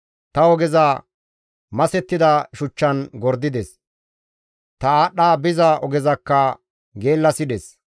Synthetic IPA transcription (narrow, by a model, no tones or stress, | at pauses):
t̪ɐɔɡɛza | mɐsɛt̪ːɪd̪ɐʃʊt͡ʃːɐnɡɔɾd̪ɪd̪ɛs | t̪ɐaːɗːaːbɪzɐʔɔɡɛzɐkːɐ | ɡe̞ːlːɐsɪd̪ɛs